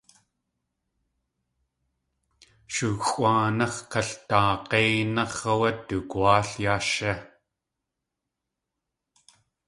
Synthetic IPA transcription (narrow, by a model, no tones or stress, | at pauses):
ʃuɣwaːnɑχkɐɬt̪aːqeːnɑχɐwɐt̪ːukuaːɬjaːʃa